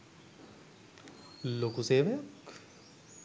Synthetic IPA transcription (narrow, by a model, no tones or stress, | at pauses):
loːkuseːʋejok